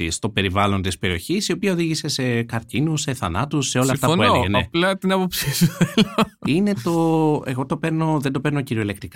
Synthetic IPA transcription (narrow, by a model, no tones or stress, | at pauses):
ḭst̪o̞pe̞ɾivɐlo̞nt̪ispe̞ɾio̞çisio̞piɐo̞ðiʝise̞se̞kɐɾcinusːe̞θɐnɐt̪usːeo̞lɐfɐueoɣeneplɐt̪inɐpopsisieline̞t̪o̞e̞̰ɣo̞t̪o̞pe̞ɾno̞ðend̪o̞peɾno̞ciɾioile̞k̚t̪ɾik